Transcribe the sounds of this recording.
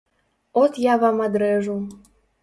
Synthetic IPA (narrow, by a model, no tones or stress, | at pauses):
ot̪jɑβɑmɑd̪ɾeʒu